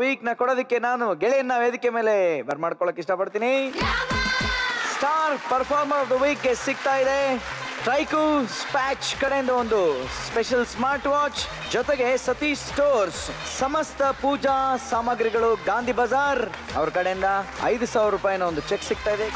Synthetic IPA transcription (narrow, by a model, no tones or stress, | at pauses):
ʋiːknɐkɔɽoːd̪ikːe̞naːnuɡeɭijɐnːaʋeːd̪ikːeme̞ːle̞bʱɐɾmaːɽkɔɭoːkːeiʂʈɐpɐɽt̪iːni | sʈaːɾpɐɾpʰaːɾmɐɾɔfd̪ɐʋiːk̚ɡesiɡ̚t̪aːjid̪e̞ʈɾɐjkuspaːt͡ʃkɐɽejnd̪ɐond̪uspeʃɐlsmaːɾʈʋaːt͡ʃ | d͡ʒɔt̪eɡe̞sɐt̪isʈoːɾssɐmɐst̪ɐpuːd͡ʒaːsaːmɐɡɾiɡɐɭuɡaːnd̪ʱibɐd͡ʒaːɾɐʋɐɾɐkɐɽejind̪ɐɐ̰jd̪usaːʋɾɾːuːpaːjɐnɐond̪ut͡ʃeksiɡ̚t̪aːjid̪e